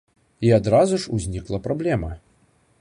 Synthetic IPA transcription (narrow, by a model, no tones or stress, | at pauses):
iad̪ɾazuʂuzʲnʲiklˠɐpɾablʲɛmɐ